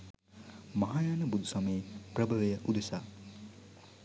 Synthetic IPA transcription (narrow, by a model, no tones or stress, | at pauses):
mɐɦaːjaːnɐbud̪ʱusɐmeːprəbʱɐʋejəʔud̪esa